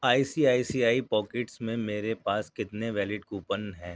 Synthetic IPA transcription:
aːisiːaːisiːaːipɔːkeʈsmẽmeːɾepaːskɪt̪neʋɛːlɪʈkuːpənɦɛ̃ː

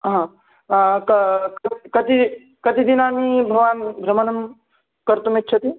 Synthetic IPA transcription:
ɦã | kkkɐt̪i | kɐt̪id̪inaːmibʱɐʋaːnbʱɾɐmɐnɐm | kɐɾt̪umit̚ːt͡ʃʰɐt̪i

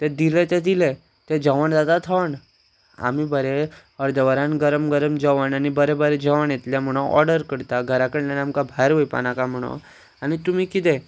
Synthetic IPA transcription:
t̪ɛ̃d̪ilɛt̪ɛd̪ilɛ̃ | t̪ɛ̃d͡ʑəʋəɳd̪ad̪at̪ʰəʋəɳ | a̰mibəɾe | əɾd̪əʋəɾãnɡəɾəmɡəɾəmd͡ʑəʋəɳanibəɾɛbəɾɛd͡ʑəʋəɳjet̪ljam̤əɽ̃oʔɔ̰ɾɖəɾkəɽt̪aɡʱəɾakəɽlanamkabʱaɾʋoipa̰nãkam̤əɽ̃o̰ | anit̪um̤ikit̪̬ɛ

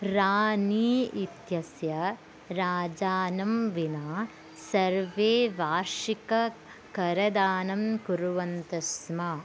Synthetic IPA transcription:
ɾaːniːit̪jɐsjɐ | ɾaːd͡ʒaːnɐmʋinaː | sɐɾʋeːʋaːɾʂikɐ | kɐɾɐd̪aːnɐmkuɾuʋɐnt̪ɐsmɐ

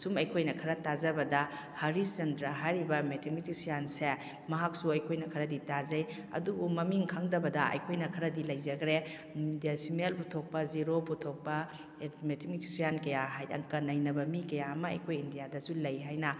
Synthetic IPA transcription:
sumɐjkʰojnɐkʰɐɾɐtazɐbɐdɐ | hɐɾiszɐndɾaɦajɾibɐmetʰemitʰisijanse | mɐɦak̚suɐjkʰojnɐkʰɐɾɐditazɐj | ɐ̰dubumɐmiŋkʰaŋdɐbɐdɐɐ̰jkʰojnɐkʰɐɾɐdilɐjzɐɡɾe | diasimelputʰok̚pɐziɾoputʰok̚pɐ | metʰimitʰi̥sijankɐjaɦajɐ̰ŋkɐnɐjnɐbɐmikɐjaɐmɐɐ̰jkʰojindijadɐsulɐjɦajnɐ

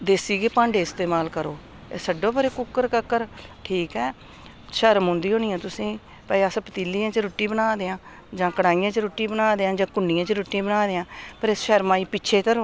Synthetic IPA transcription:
d̪eːsiːɡeːpãːɳɖeːɪst̪eːmaːlkəɾoː | eːsəɖõːbəɾeːkʊkːəɾkəkːəɾʈʰiːkɛː | ʃəɾmõnd̪iːɦõːniːãːt̪ʊsĩː | pəəspət̪iːlːijãːt͡ʃɾuːʈːĩːbənaːd̪eːãː | d͡ʒãːkəɽaːijãːt͡ʃɾoːʈːiːbənaːd̪eːãːd͡ʒãːkʊɳːiːãːt͡ʃɾoːʈːĩːbənaːd̪eːãːpəɾɪsʃəɾmaːiːpɪːʃʰeːt̪əɾ

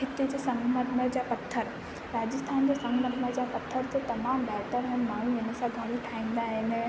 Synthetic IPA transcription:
ɦɪt̪ed͡ʑesɐ̃ŋɡməd̪məd͡ʑapɐt̪ʰːəɾ | ɾaːd͡ʑəst̪ʰaːnd͡ʑesɐ̃ŋɡməd̪məɾd͡ʑapɐt̪ʰːəɾd͡ʑet̪ɐmaːmbɛːʈəɾɦɪnmaːɽũɪnə̆sãɡʱɐɾʈʰaːĩːn̆d̪aɦɪn

